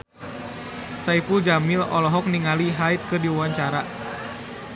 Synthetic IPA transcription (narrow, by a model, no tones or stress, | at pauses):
saipud͡ʒamilɔ̰lɔɦɔk̚niŋaliɦait̪̚kɨrdiuwaɲt͡ʃaɾa